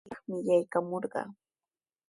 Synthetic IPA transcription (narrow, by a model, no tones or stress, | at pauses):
ɑχmɪjajkamoɾɢɑ̰ː